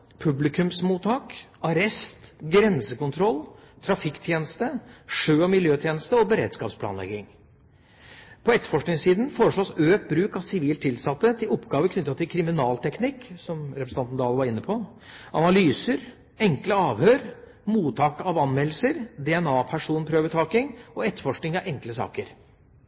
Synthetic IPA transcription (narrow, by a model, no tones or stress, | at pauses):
pʰʉblɪkʉmsmuːt̪ʰɑːkɑɾɛst̪ɡɾɛnsəkʊnt̪ʰɾɔlːt̪ʰɾɑfɪkːt̪ʰjeːnəst̪əʂøːɔmɪljøːt̪ʰjeːnəst̪əɔbəɾḛːd̪skɑ̰ːpspʰlɑ̰ːnlɛ̰ɡɪŋ | pʰɔɛt̪ə̥fɔʂknɪŋsiːd̪n̩foːɾəʂɭoːsøːk̚t̪̚bɾʉːkɑʋsɪʋiːlt̪ʰɪlsɑt̪ːət̪ʰɪlɔpɡɑːʋəkʰnʏt̪ːɑt̪ʰɪlkʰɾɪmɪnɑːlt̪ʰɛknɪkːsɔmɾɛpɾsɑnt̪nd̪ɑːlʋɑɾɪnːəpʰɔ | ʔɑnɑlyːsəɾ | ɛŋkləɑːʋhøːɾ | muːt̪ʰɑːkɑʋɑnmɛlːəsəɾd̪ɛɛnɑːpʰæʂuːnpʰɾøːʋət̪ʰɑːkɪŋɔɛt̪ːəfɔʂknɪŋɑʔɛŋkləsɑ̰ːkəɾ